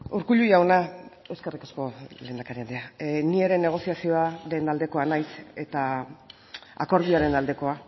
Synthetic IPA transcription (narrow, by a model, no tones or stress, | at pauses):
uɾkuʎujawnae̞wskerikasko̞le̞ːnd̪akaɾiand̪eanieɾe̞nːe̞ɣ̞o̞siasio̞aɾe̞nald̪e̞ko̞anajse̞t̪a | a̰ko̞ɾð̞iaɾe̞nald̪e̞ko̞a